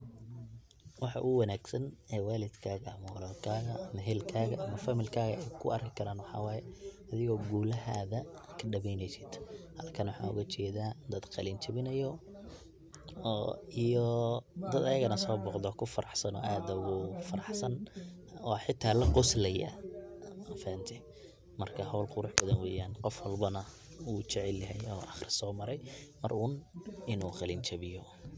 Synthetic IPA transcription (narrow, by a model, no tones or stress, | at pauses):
wɑħɑ̰ʔʊwɑnaːɡsɐnɛːwaːlɪd̪kʰaːɣɐɐmɐwɐlɐlkʰaːɣɐɐmɐɦɛːlkʰaːɣɐʔɐmɐfɐmɪlkʰaːɣɐɛjkʰʊ̰ʔɐrkʰɪkʰɐɾaːnwɑħɑ̰wɑːjɛ | ɐðɪɣɔːɡuːlɐɦaːðɐkʰɐɖɐβɛjnɛjsɪd̪hɐlkʰɐnwʊħɑ̰ːʊ̰ɣɐt͡ʃɛːðaːd̪ɐd̪qɑlint͡ʃɐβɪnɐjɔ | ijɔd̪ɐd̪ɐjɐɣɐnɐsɔːbɔqd̪ɔːkʰʊfɐɾɑħsɐnɔ̰ːʔaːd̪ɐɣʊfɐɾɑħsɐn | ɔːħɪt̪ʰːaːlɐqʊslɐja̰ | ɐfɛːnt̪ʰɛ | mɐrkʰɐɦɔwlqʊɾʊħbɐðɐnwɛːjaːnqɔfwɐlbɐnɐ | uːt͡ʃɛʕɛljɐɦɛjɔːʔɑχrɪsɔːmɐɾɛjmɐrʊnɪnuːqɑlint͡ʃɐβɪjɔ